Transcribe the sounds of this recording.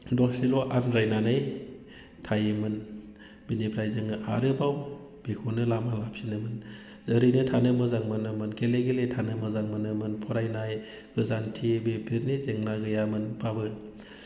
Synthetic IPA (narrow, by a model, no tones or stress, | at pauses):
dɔsilɔʔanɾajnanɯj | tʰajmɯn | binipʰɾajzɯŋɯʔa̰ɾɯbaw | b̥ekʰunɯlamalap̚sinɯmɯn | zəɾinɯtʰanɯmɯzaŋmɯnɯmɯnkʰeleɡeletʰanɯmɯzaŋmɯnɯmɯnpʰɔɾajnaj | ɡɯzantʰibepʰiɾnizeŋnaɡɯjamɯnpʰabɯ